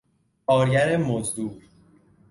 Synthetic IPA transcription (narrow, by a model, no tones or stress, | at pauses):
kʰɒːɾɟæɾemozd̪uːɾ